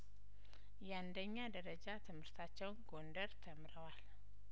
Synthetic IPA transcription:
jɛand̪əɲːad̪əɾəd͡ʒat̪ʰɨmhɨɾt̪ʰat͡ʃːɛwnɡo̞nd̪əɾt̪ʰəmɾəwal

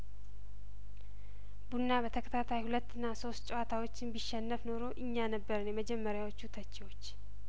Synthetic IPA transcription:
bunːabət̪ʰəkʰə̥t̪ʰat̪ʰajhulət̪ːɨnːaso̞st̪̚t͡ʃʼowat̪ʰawo̞t͡ʃːɪnbiʃːɛnːəfno̞ɾo̞ʔɨɲːanəbːəɾɨnjɛməd͡ʒɛmːəɾjawot͡ʃːut̪ʰət͡ʃːiwo̞t͡ʃː

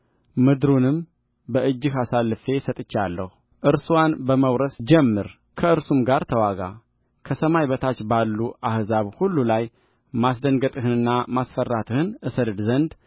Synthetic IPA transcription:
mɨd̪ɾunɨm | bəʔɨd͡ʒːɨɦasalːɨfe̞sət̪ʼɨt͡ʃːalːəhu | ʔɨɾswanbəməwɾəsd͡ʒɛmːɨɾ | kʰəɨɾsumɡaɾt̪ʰəwaɡa̰ | kʰəsəmajβət̪ʰat͡ʃːbalːuʔahzaβhulːulaj | masd̪əŋɡət̪ʼɨɦɨnɨnːamasfərːat̪ʰɨhɨnʔɨsəld̪zənd̪

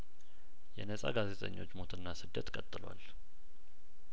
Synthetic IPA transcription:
jɛnəsʼa̰ɡazet̪ʼə̰ɲːo̞t͡ʃːmo̞t̪ʰɨnːasɨd̪ːət̪kʼət̪ʼːɨlwa̰l

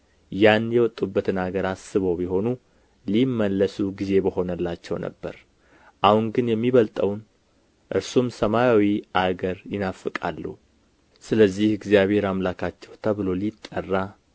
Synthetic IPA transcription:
janjɛwɔt̪ʼːubːət̪ɨnaɡəɾasɨβəwbiɦo̞nu | limːəlːəsuɡize̞bəho̞nəlːat͡ʃːɛ̰wnʔə̰bːə̰ɾ | ʔahuŋɡɨnjɛmːiβəlt̪ʼəwn | ʔɨɾsumsəmajawiʔaɡəɾjɪnafːɨkʼa̰lːṵ | sɨləzːihɪɡzijaβhe̞ɾamlakʰat͡ʃːɛwt̪ʰəβɨlo̞lit̪ʼːərːa

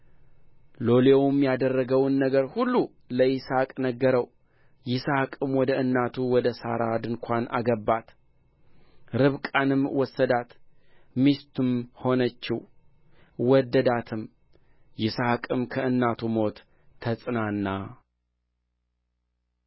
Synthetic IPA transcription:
lo̞lewʊmjad̪ərːəɡəwnːəɡəɾhulːu | ləjɪsakʼnəɡːəɾəw | jɪsahkʼɨmwɔd̪əɨnːat̪ʰuwɔd̪əsa̰ɾad̪ɨŋkʷʰanʔa̰ɡəbːat̪ | ɾɨβkʼanɨmwɔsːəd̪at̪ | mist̪ʰɨmho̞nət͡ʃːɪh | wɔd̪ːəd̪at̪ʰɨm | jɪsakʼɨmkʰəɨnːat̪ʰumo̞t̪ʰː | əsʼnanːa

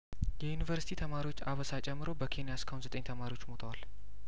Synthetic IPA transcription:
jɛjunivəɾsi̥t̪ʰit̪ʰəmaɾiwot͡ʃːaβəsat͡ʃʼɛmːɨɾo̞bəkʰe̞nijaskʰəhunzət̪ʼəɲt̪ʰəmaɾiwo̞t͡ʃːmo̞t̪ʰəwal

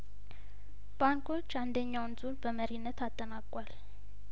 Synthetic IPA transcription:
b̥aŋkʰo̞t͡ʃːand̪əɲːawnzuɾbəməɾinːət̪ʰat̪ʼːənakʼwal

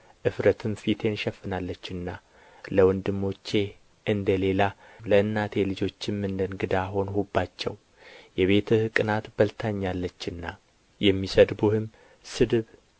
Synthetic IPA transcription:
ʔɨfɾət̪ʰɨmfit̪ʰe̞nʃɛfːɨnalːət͡ʃːɨnːa | ləwɔnd̪ɨmːo̞t͡ʃːe̞ | ʔɨnd̪əle̞laləɨnːat̪ʰe̞lɨd͡ʒo̞t͡ʃːɪmːɨnd̪ənɡɨd̪aɦo̞nhubːat͡ʃːɛ̰w | jɛβe̞t̪ʰɨhkʼɨnat̪bəlt̪ʰaɲːalːət͡ʃːɨnːa | jɛmːisəd̪buhɨm | sɨd̪ɨβ

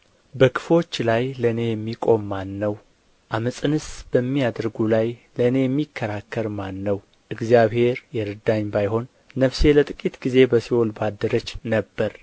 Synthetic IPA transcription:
bəkʰɨ̥fo̞t͡ʃːlajləɨne̞jɛmːikʼo̞mːanːəw | ʔaməsʼɨnɨsb̥əmːijad̪ɾɡulajləɨne̞jɛmːikʰːəɾakːəɾmanːəw | ʔɨɡzijaβhe̞ɾjɛɾɨd̪aɲbajho̞nː | əfse̞lət̪ʼɨkʼit̪ɡ̥ize̞bəsiwolbad̪ːəɾət͡ʃːnəbːəɾ

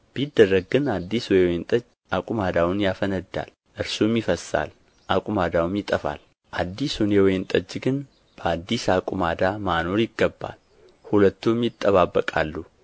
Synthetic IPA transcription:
b̥id̪ːərːəɡɡɨnad̪ːiswjɛwjent̪ʼəd͡ʒ | akʼumad̪awʊnjafənəd̪ːa̰l | ʔɨɾsumjɪfəsa̰l | ʔakʼumad̪awumjɪt̪ʼəfa̰l | ʔad̪ːisunjɛwjent̪ʼəd͡ʒːɡɨn | b̥əad̪ːisakʼumad̪amano̞ɾjɪɡːəbːa̰l | hulət̪ːumjɪt̪ʼːəβabːəkʼalːu

